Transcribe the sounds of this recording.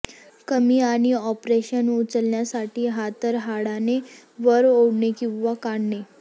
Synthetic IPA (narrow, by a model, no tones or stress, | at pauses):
kəmiːaɽ̃iɔpɾeɕənut͡səlnjasaʈʰiːɦat̪əɾɦaɽane | ʋəɾoɽɳekĩw̃ʋakaɳne